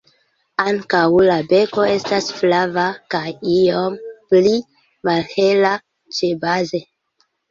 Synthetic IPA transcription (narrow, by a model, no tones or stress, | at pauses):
aŋkawlabe̞ko̞e̞stasflavakajiompli | malhe̞la | t͡ʃe̞baze̞